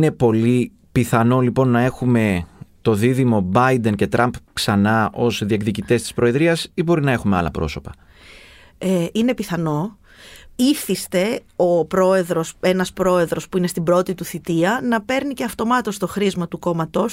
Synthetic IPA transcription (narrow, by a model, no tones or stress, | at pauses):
ne̞po̞li | piθɐno̞lipo̞nːɐe̞xume̞t̪o̞ðiðimo̞bɐijd̪e̞nce̞t̪ɾɐmpksɐnɐo̞zðiekðicit̪e̞st̪i̥spɾo̞e̞ðɾiɐsibo̞ɾinɐe̞xume̞ɐ̰lɐ̰pɾo̞̰so̞pɐ | eine̞piθɐno̞ | iθist̪e̞ | opɾo̞e̞ðɾo̞se̞nɐspɾo̞e̞ðɾo̞spuinest̪ibɾo̞t̪it̪uθit̪iɐnɐpe̞ɾnice̞ɐft̪o̞mɐt̪o̞st̪o̞xɾizmɐt̪uko̞mɐt̪o̞s